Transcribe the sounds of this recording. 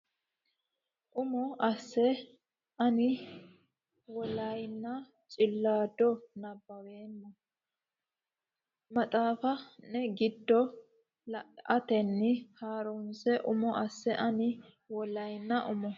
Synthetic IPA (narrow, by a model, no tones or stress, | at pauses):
ʔʊmɔʔɐsːɛ | ʔɐnɪ | wɔlɐjnːɐ | t͡ʃʼɪlːaːd̪ɔnɐbːɐweːnːɐ | mɐt̪ʼaːfɐnɛɡɪd̪ːɔ | lɐt̪ɛnːɪhaːɾʊmsɛʔʊmɔʔɐsːɛʔɐnɪ | wɔlɐjnːɐʔʊmɔ